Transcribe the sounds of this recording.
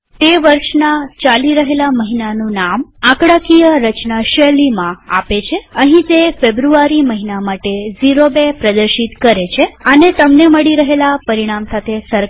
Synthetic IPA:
t̪eʋəɾʃnat͡ʃaliɾəɦelaməɦinanũnamãkɽakijəɾət͡ʃnaʃəlimãa̰pet͡ʃʰeəɦĩt̪efebɾuaɾiməɦinamaʈeziɾobepɾəd̪əɾʃit̪kəɾet͡ʃʰeənet̪əmneməɽiɾəɦelapəɾiɽ̃amsat̪ʰesəɾ

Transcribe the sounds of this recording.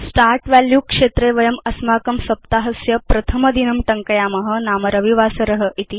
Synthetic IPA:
sʈaːɾʈʋæljukʂet̪ɾeʋɐjɐmɐsmaːkɐmsɐp̚t̪aɦɐsjɐpɾɐt̪ʰɐmɐd̪inɐmʈɐŋkɐjaːmɐɦɐ̆naːmɐɾɐʋiʋasɐɾɐɦəʔit̪i

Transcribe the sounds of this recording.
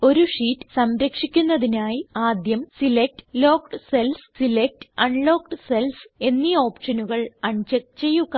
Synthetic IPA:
o̞ɾuʂiːtːɨ̥sɐmɾɐkʂikʲːunːɐðinaːjiaːd̪jɐmsilek̚ʈɨ̥lo̞ːkʈɨselfsilek̚ʈɨ̥ɐɳloːk̚ʈɨselfe̞nːio̞ːpʂɐnuɣɐɭɐɳt͡ɕɐkt͡ɕejːuɣɐ

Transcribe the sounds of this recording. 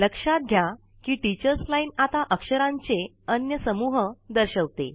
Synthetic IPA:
ləkʂat̪̚ɡʱja | kiːʈit͡ɕəɾslainat̪aʔəkʂəɾãɲt͡se | ənjəsəmuɦəd̪əɾɕəʋt̪ḛ

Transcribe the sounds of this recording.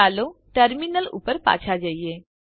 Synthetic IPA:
aloʈəɾminəlṵpəɾpa̰t͡ɕʰad͡ʑajje

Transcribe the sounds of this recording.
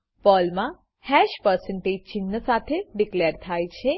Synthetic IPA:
pɔlmã | hɛʃpəɾsə̃ɳʈed͡ʒt͡ʃinːəsat̪ʰeɖikleɾt̪ʰajt͡ʃʰe

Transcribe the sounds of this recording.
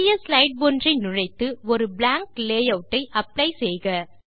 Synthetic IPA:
ɪjɐslɐɪɖ̚bɔndrɐɪnʊɻɐɪt̪ːɯɔɾɯblaːŋkleːjɐʋʈːɐɪʔɐplɐɪsɛjɣɐ

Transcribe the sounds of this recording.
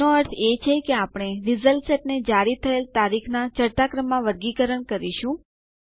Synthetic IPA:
oəɾt̪ʰet͡ʃʰekeapɽ̃eɾizəlseʈ̚ned͡ʒaɾit̪ʰəelt̪aɾikʰnat͡ʃəɾt̪akɾəmːãʋəɾɡikəɾəɳkəɾiʃũ

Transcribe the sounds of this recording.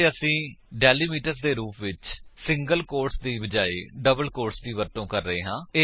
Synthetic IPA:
əsĩːɖɛːliːmiːʈəɾsd̪eːɾuːpʰʋɪt͡ʃsɪ̃ŋɡəlkoːɾʈsd̪iːbəd͡ʒaːḛːɖəbəlkoːɾʈsd̪iːʋəɾt̪õːkəɾːəɦeːɦãːe

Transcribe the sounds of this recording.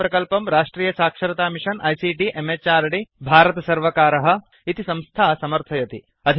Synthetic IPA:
pɾɐkɐlpɐmɾaːʂʈɾiːjɐsaːkʂɐɾɐt̪aːmiʂɐnʔɐjsiːʈiʔemet͡ʃaːɾɐɽibʱaːɾɐt̪ɐsɐɾʋɐkaːɾɐɦɐ̆ | it̪isɐ̃mst̪ʰaːsɐmɐɾt̪ʰɐjɐt̪i | ɐd̪ʱ

